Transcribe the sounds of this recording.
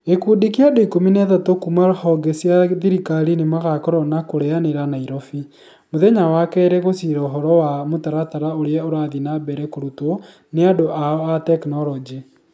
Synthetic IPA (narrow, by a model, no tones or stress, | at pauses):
ekudikeadoikominɛðatokumahɔɡɛsiaðiɾikaɾinemaɣakɔɾɔnakoɾɛaneɾanaiɾɔfi | moðɛɲawakɛɾɛɣosiɾɛoɦɔɾɔwamotaɾataɾaoɾeɛoɾaːðinabɛɾɛkoɾuto | neadoʔaatɛknɔlɔd͡ʒi